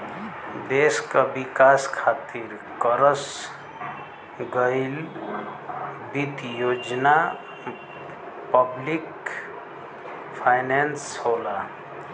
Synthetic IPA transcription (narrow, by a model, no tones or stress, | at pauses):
d̪eskəbikaskʰat̪iɾ | kəɾəs | ɡəɪl | bit̪jod͡ʒna | pəblik | pʰaɪnenshola